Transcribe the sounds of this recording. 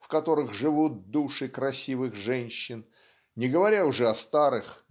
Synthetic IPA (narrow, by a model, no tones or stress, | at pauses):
fkɐt̪o̞ɾɨɣʐɨvut̪̚d̪uʂɨkɾɐsʲivɨxʐɛnʲɕːɪn | nʲɪɡəvɐɾʲaʊʐɛɐst̪aɾɨx